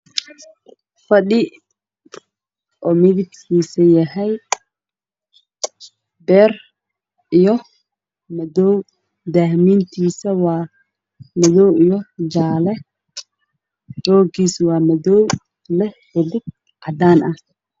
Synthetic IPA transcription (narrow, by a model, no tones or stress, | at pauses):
fɐɗɪ | ʔɔːmɪðɪbsiːsɐjɐɦɛj | bɛːr | ijɔ | mɐðɔw | d̪aːhmiːnt̪ʰiːsɐwaː | mɐðɔwijɔd͡ʒaːlɛ | dɔːɡiːswɑːmɐðɔw | lɛhɔðɪɡ̚ | ʔɐd̪aːnʔɐh